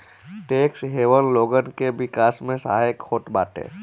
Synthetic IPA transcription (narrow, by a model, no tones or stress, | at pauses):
ʈeːksɦeːʋənloːɡənkeʋɪkaːsmẽsa̰ɦaəkʰxoːʈba̰ːʈ̪ḛ̃ː